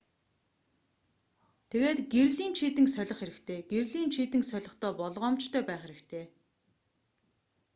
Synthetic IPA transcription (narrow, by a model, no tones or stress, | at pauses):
t̪ʰeɣeːt̪ɡerɮiːnt͡ɕʰiːt̪ɘ̆ŋsœɮʲɞ̆χxeɾɘ̆kt̪ʰeːɡ̥erɮiːnt͡ɕʰiːt̪ɘ̆ŋsœɮʲɞ̆χt̪ʰœːpɔɮʁɔːmt͡ɕt̪ʰœːpæːχeɾɘ̆kt̪ʰeː